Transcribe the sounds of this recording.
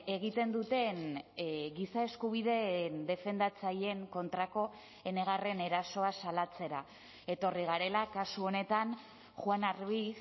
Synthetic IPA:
e̞ɣit̪e̞nd̪ut̪e̞n | ɣisae̞skuβ̞iðe̞nd̪e̞fe̞nd̪at͡saje̞ŋko̞nt̪ɾako̞ | e̞ne̞ɣ̞are̞ne̞ɾaso̞asalat͡se̞ɾa | e̞t̪o̞riɣ̞aɾe̞lakasuo̞ne̞t̪an | xwanaɾβis

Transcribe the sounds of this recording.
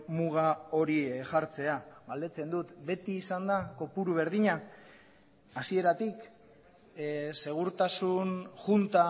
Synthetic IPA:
muɣao̞ɾiʝaɾt͡se̞aɣald̪e̞t͡se̞nd̪ut̪be̞t̪iːsand̪ako̞puɾuβ̞e̞ɾðiɲa | sie̞ɾat̪ik | se̞ɣ̞uɾt̪asunʝunt̪a

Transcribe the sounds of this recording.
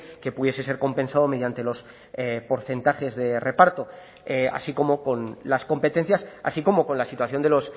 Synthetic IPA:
ke̞puðje̞se̞se̞ɾko̞mpe̞nsaðo̞me̞ðjant̪e̞lo̞s | epo̞ɾθe̞nt̪aχe̞zðe̞re̞paɾt̪o̞ | ea̰siko̞mo̞ko̞nlasko̞mpe̞t̪e̞n̟θjasa̰siko̞mo̞ko̞nlasit̪waθjo̞nd̪e̞lo̞s

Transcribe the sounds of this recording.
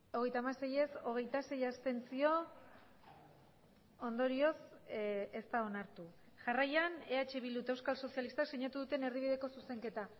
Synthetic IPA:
o̞ɣe̞jt̪aːmase̞je̞so̞ɣ̞e̞jt̪ase̞jast̪e̞nt͡sio̞ | ond̪o̞ɾio̞s | e̞st̪ao̞naɾt̪u | ʝarajane̞at͡ʃe̞βilut̪e̞wskalso̞sialist̪akseɲat̪uðut̪e̞ne̞ɾðiβ̞iðe̞ko̞suse̞ŋke̞t̪a

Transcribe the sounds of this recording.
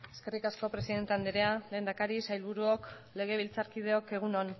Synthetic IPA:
e̞ske̞rikasko̞pɾe̞siðe̞nt̪e̞and̪iɾeale̞ːnd̪akaɾisajlβuɾuok | le̞ɣ̞e̞β̞ilt͡saɾkið̞e̞o̞ke̞ɣ̞unon

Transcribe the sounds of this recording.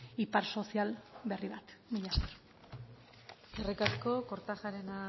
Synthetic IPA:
ipaɾso̞sialβe̞riβat̪miʎasor | erekasko̞ko̞ɾt̪axaɾena

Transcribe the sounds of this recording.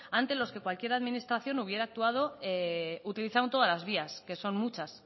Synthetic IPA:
ãnt̪e̞lo̞ske̞kwalkje̞ɾaðminist̪ɾaθjo̞nuβ̞je̞ɾaːk̚t̪uað̞o̞eut̪iliθawt̪o̞ðalazβ̞iaske̞so̞nmut͡ʃas

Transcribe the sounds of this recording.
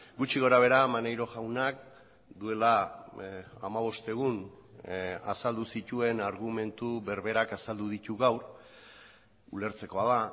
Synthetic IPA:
ɡut͡ʃiɣ̞o̞ɾaβ̞e̞ɾamanejɾo̞ʝawnak̚ | d̪ue̞la | a̰maβ̞o̞st̪e̞ɣ̞un | asald̪usit̪ue̞naɾɣume̞nt̪uβe̞ɾβe̞ɾakasald̪uðit̪uɣawɾ | ule̞ɾt͡se̞ko̞aða

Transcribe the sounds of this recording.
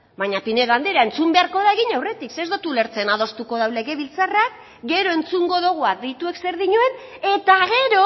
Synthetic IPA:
baɲapine̞ðand̪iɾae̞nt͡sumbe̞aɾko̞ðaeɣ̞iɲawre̞t̪iksezd̪ot̪ule̞ɾt͡se̞nað̞o̞st̪uko̞ðawle̞ɣe̞βilt͡sarak̚ | ɡe̞ɾo̞e̞nt͡suŋɡo̞ðoɣ̞uaðejt̪ue̞kse̞ɾðiɲuene̞t̪aɣ̞e̞ɾo

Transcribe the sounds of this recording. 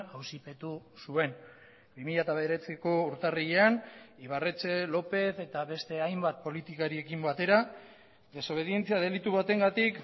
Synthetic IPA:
awsipe̞t̪usue̞n | bimiʎat̪aβe̞ɾe̞t͡siko̞uɾt̪ariʎeaniβ̞are̞t͡se̞lo̞pe̞θe̞t̪aβe̞st̪e̞ajmbat̪̚po̞lit̪ikaɾie̞kimbat̪e̞ɾa | d̪e̞so̞βe̞ðie̞nt͡siað̞e̞lit̪uβat̪e̞ŋɡat̪ik

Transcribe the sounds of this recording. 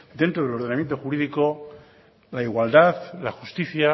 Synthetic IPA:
d̪e̞nt̪ɾo̞ðeloɾðenamjent̪o̞xuɾiðiko̞ | laiɣwald̪aðlaxust̪iθja

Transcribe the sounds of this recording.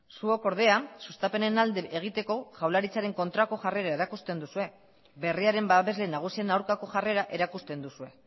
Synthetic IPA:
suo̞ko̞ɾð̞e̞asust̪ape̞ne̞nald̪eʔeɣ̞it̪e̞ko̞ʝawlaɾit͡saɾe̞ŋko̞nt̪ɾako̞ʝare̞ɾaeɾakust̪e̞nd̪usue̞ | be̞riaɾe̞mbaβe̞zle̞naɣ̞usienawɾkako̞ʝare̞ɾaʔe̞ɾakust̪e̞nd̪usue̞

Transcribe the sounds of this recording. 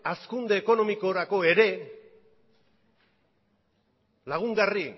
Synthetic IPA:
askund̪e̞ːko̞no̞miko̞ɾako̞e̞ɾe̞ | laɣ̞uŋɡari

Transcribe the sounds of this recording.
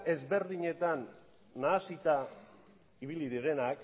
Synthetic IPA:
e̞zβe̞ɾðiɲe̞t̪anː | aːsit̪a | iβiliðiɾe̞nak

